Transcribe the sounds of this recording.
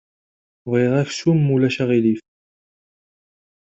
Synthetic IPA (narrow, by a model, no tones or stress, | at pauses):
vʁiðˤæfsumːulæʃæʁilif